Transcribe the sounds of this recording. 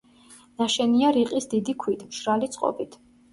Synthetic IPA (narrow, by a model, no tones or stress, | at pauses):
naʃɛniaɾiqʼisd̪id̪ikʰwit̪ʰmʃɾalit̪sʼqʼɔ̰bit̪ʰ